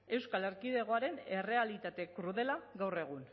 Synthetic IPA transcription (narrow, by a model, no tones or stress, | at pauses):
e̞wskale̞ɾkiðe̞ɣ̞o̞aɾe̞nere̞alit̪at̪e̞kɾuðe̞laɣawre̞ɣ̞un